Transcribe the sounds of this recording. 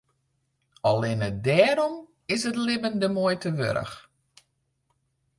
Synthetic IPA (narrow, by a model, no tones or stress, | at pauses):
ɔlɪnət̚dɛːɾɔm | ɪsətlɪbəndəmojtʰəʋø̰ɾə̰x